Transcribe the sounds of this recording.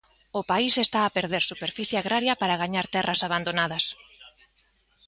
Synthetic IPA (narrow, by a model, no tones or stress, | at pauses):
ʊpaisest̪aːpeɾðeɾsupeɾfiθjeaɣɾʔaɾjɐpaɾaɣaɲaɾt̪ɛrɐsaβand̪onað̞ɐs